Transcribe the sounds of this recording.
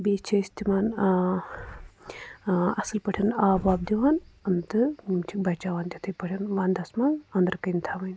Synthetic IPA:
biːt͡ʃʰɐst̪imaːn | ɐsɨlpɐʈʰɐnaːbaːbd̪iʋaːnɐnd̪ɨt͡ʃʰik̚bɐt͡ʃaːʋaːnd̪ʲit̪ʰɨjpɐʈʰinʋãːnd̪ɐsmaːnɐnd̪ɐɾkɐjnt̪ʰamɐnʲ

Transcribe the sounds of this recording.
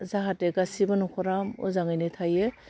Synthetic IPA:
zaɦateɡasibɯnukʰɔɾamɔ̰zaŋɯjnɯtʰajɯ

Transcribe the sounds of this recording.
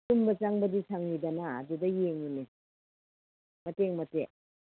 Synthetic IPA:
tumbɐt͡ʃaŋbɐdisaŋnidana̰ːdudɐjeŋune | mɐteŋmɐte

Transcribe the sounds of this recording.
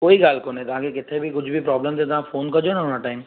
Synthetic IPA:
koːikaːlkonet̪ɦãkekɪt̪ʰebʱikʊt͡ʃʰbʱipɾɔːblemt̪et̪ãfʰoːnkɔɾd͡ʒonaonaʈaɪm

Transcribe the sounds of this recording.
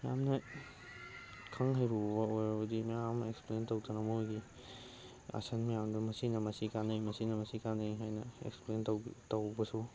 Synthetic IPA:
ja̰mnɐ | kʰɐŋɦajɾubbɐojɾɐbɐdimjameksplentowtɐnɐmojɡi | a̰sɐnmijamdɐmɐsinɐmɐsikanɐjmɐsinɐmɐsikandɐiɦajnɐḛksplentowtawbɐsu

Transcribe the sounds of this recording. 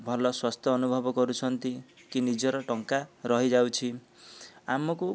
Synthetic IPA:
bʱʌlʌswast̪ʰʌːnubʱʌbʌɡʌɾut͡sʰʌnt̪ikinid͡zʌɾʌʈʌŋkaɾʌɦid͡zaw̃t͡sʰi | amɔku

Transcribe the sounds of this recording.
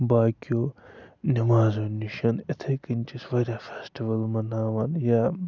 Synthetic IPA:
baːkʲijoːnɐmaːzoniʃɐnɪt̪ʰekɨnʲt͡ʃisʋɐɾʲaːfeːsʈiʋɐlmɐnaːʋɐnjaː

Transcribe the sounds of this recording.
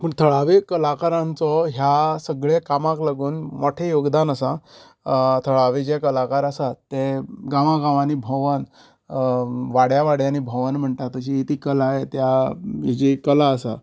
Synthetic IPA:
məɡt̪ʰəɭaʋekəlakaɾãnt͡sɔɦjasəɡɭekamãklaɡuːnmoʈʰejoɡd̪anəsã | t̪ʰəɭaʋed͡ʑekəlakaɾəsat̪ːeɡãʋãɡãʋanibʱɔʋən | ʋaɽjaʋaɽjanibʱɔʋənm̤əɳʈ̪at̪əɕiːt̪iːkəlaɦet̪jaid͡ʑikəlaəsa

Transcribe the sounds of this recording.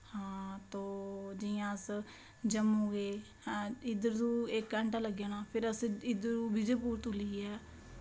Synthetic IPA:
hãːt̪õːd͡ʒɪjãːəs | d͡ʒəmõːɡeː | ɪd̪əɾd̪uːekːɛɳʈãːləɡjaːnaːpʰɪɾəsɪd̪əɾuːbɪd͡ʒeːpuːɾt̪ʊliːɛː

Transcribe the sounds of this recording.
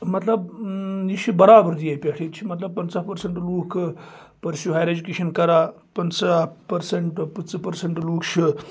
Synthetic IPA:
mɐt̪lɐbjit͡ʃʰibɐɾaːbəɾd̪ijajipʲeʈʰet̪̚t͡ʃʰimɐt̪lɐb̚pɐnt͡saːpɐɾseɳʈluːkʰ | pɐɾsjuɦajɾed͡ʒukeːʃɐnkɐɾaː | pɐnt͡sapɐɾseɳʈpɐt͡sɐpɐɾseɳʈluːkt͡ʃʰi

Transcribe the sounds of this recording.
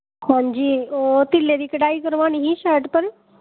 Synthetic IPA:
hãɲd͡ʑiːot̪ileɾikɖaikəɾʋaniɦiːɕaɾʈpəɾ

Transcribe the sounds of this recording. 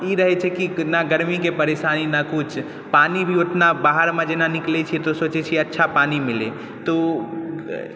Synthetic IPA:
iɾəɦɛt͡ʃʰɛkinaɡəɾmikepəɾeʃaninakut͡ʃʰ | panibʱioʈnabaɦəɾmẽd͡ʒenaniklɛt͡ʃʰit̪osot͡ʃɛt͡ʃʰiətːʃʰapanimilḛ | t̪o

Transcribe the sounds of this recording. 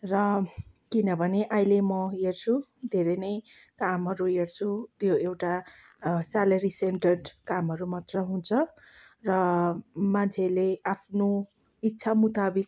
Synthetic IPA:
rʌ | kinʌbʱʌneʔajlemʌert͡sʰud̪ʱeɾʌjnʌj | kamɦʌɾuert͡sʰut̪joewʈa | salʌɾisenʈʌɖkamɦʌɾumat̪rʌɦunt͡sʰʌ | rʌmant͡sʰeleapʰno | itːsʰamut̪abik̚

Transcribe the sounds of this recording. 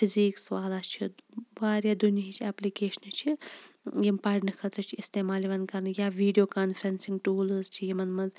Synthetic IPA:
pʰiziːksʋaːlat͡ʃʰiʋaːɾjad̪unjɐɦit͡ʃʰiɐplikeːʃnɨt͡ʃʰi | jimpaɖnɐkʰɐt̪ɾɐt͡ʃʰiist̪eːmaːliʋɐnkɐɾnɨjaʋiːɖijoːkaːnfʰɐɾɐnsiŋɡʈuːlɨzt͡ʃʰijimɐnmɐz

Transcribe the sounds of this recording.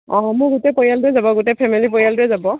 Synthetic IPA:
ɔ̰̃ɦɔ̃mʊɹɡutɛpɔjalduɛzabɔɡutɛpʰɛmilipojalduɛzabɔ

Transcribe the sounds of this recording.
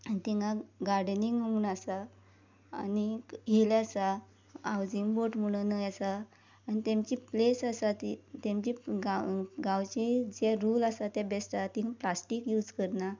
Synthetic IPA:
anit̪iŋɡãɡaɾɖniŋɡməuːnasa̰ː | niɦilasa | awd͡ziŋɡboʈm̤əɽ̃ənəjasaː | nit̪ẽmt͡ɕiplesasat̪it̪emt͡ɕiɡaɡãwt͡ɕed͡ʑɛɾulasat̪jabɛsʈat̪ĩɡaplasʈikjuːd͡zkəɾna

